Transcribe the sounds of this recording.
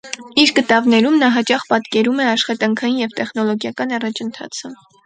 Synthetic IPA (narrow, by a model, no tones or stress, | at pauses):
iɾɡət̪ɑvnɛɾumnɑɦɑt͡ʃɑχpɑt̪kɛɾumɛɑʃχɑt̪ɑŋkʰɑjinjɛvt̪ɛχnɔlɔɡjɑkɑnɑrɑt͡ʃʰənt̪ʰɑ̰t͡sʰə